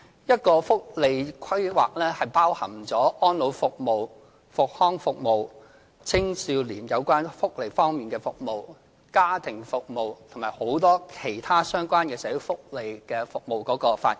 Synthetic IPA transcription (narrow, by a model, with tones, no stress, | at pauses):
jɐ˥t̚kɔː˧fʊ˥k̚le˨jkʷʰɐ˥jwa̰ː˨k̚lɛː˥hɐ˨jpaː˥whɐ˨˩ŋt͡sɔː˨˥ʔɔː˥nlo˨˧wfʊ˨k̚mo˨w | fʊ˨k̚hɔː˥ŋfʊ˨k̚mo˨w | t͡sʰɪ˥ŋsiː˧wliː˨˩njɐ˨˧wkʷaː˥nfʊ˥k̚le˨˧fɔː˥ŋmiː˨nkɛː˧fʊ˨k̚mo˨w | kaː˥t̪ʰɪ˨˩ŋfʊ˨k̚mo˨wt̪ʰʊ˨˩ŋmaː˨˩ho˨˥wt̪ɔː˥kʰe˨˩jt̪ʰaː˥sœː˥ŋkʷwaː˥nkɛː˧sɛː˨˥ji˨˥fʊ˥k̚le˨jkɛː˧fʊ˨k̚mo˨˩wkɔː˨˥kɔː˧fa̰ː˧t̚